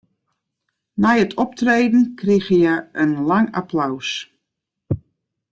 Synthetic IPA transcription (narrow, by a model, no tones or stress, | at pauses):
najətʰɔp̚treːdn̩krixəjɛənlaŋapʰlaws